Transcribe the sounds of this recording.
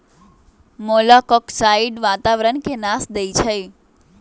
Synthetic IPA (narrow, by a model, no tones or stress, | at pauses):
molakɔksaiɖʋat̪aʋɾəɳkenasd̪əjt͡ʃʰəj